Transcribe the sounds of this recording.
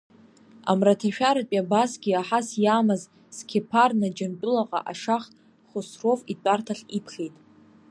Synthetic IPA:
a̰mratʰaʃᶣaɾapʼabasɡʲiaħasjaːmaz | skʲʰepʰarnad͡ʒanpʼɪlaqʼa̰ʔaʂaχ | χosrovitʷʼartʰaɬipʰχʲejtʼ

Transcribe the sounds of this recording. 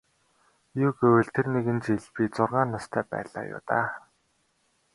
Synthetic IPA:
jʊːɡewɘ̆ɮt̪ʰerneɣɘ̆nt͡ɕeɮpit͡sʊrʁaːnːast̪ʰæːpæ̰ːɮa̰ːjʊ̰ːt̪aː

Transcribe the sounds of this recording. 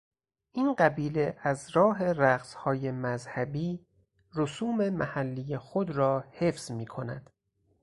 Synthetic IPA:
ʔiːnɢæbiːle̞ʔæzɾɒːɦe̞ɾæɡshɒːje̞mæzhæbiː | rosuːme̞mæhælːijexod̪ɾɒːhe̞fz̥miːkʰo̞næ̰d̪̥

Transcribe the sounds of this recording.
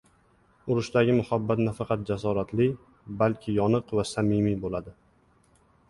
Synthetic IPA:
ʊɾʊʃt̪aɡʲɪmʊhabːat̪nafɑqɑt̪̚d͡ʒas̬ɒɾat̪lɪ | balkʲʰɪjɒnɨqvasamɪmibolad̪ɪ

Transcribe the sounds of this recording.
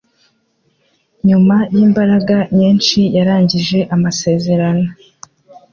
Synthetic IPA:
ɲumajiːmbaɾaɡaɲiːnt͡ʃijaɾaːɲɟiʒe̞ʔamase̞ːze̞ɾano̞

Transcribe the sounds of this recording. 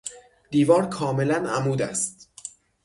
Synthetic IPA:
d̪̥iːvɒːɾkʰɒːme̞lænæmuːd̪æ̰st̪

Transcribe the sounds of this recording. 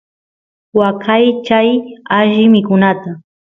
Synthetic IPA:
wakajt͡ʃajaʃɪmɪkʊnat̪a

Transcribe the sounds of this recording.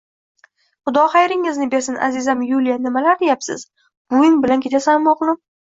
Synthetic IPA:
χʊd̪ɒχajɾɪŋɪznɪbe̞ɾsɪnʔa̰zɪzamjulijanɪmalaɾd̪ejapsɪ̰z | b̥ʊjɪnbɪlankʲʰe̞t͡ʃ̪ʰasanmoqnʊ

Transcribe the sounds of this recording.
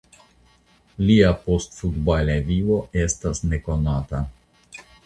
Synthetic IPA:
lʲiapɔst̪fud̪balʲɛvʲiʋɔʔɛst̪asnɛkɔnat̪a

